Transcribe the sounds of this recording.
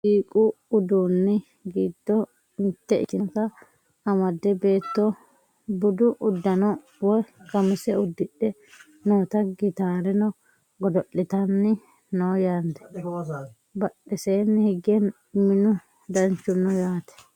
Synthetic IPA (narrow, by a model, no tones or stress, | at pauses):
siːkʼʊʊd̪unːɪ | ɡiːd̪ːɔ | ɪnt̪ːɛɪ̰t͡ʃːɪkɐ | ɐmɐd̪ːɛbe̞ːt̪ːɔ | bʊd̪ʊʔʊd̪ːɐnɔ | wɔjɡɐmɪsɛʊd̪ːɪɗːɛ | noːt̪ɐɡɪt̪aːɾɛnɔ | ɡɔd̪ɔʔːɪt̪ɐnːɪ | noːjaːnd̪ɛ | bɐɗːɛseːnːɪhɪɡɛn | mɪnʊ | d̪ɐnt͡ʃːʊnːɔjaːt̪ɛ̥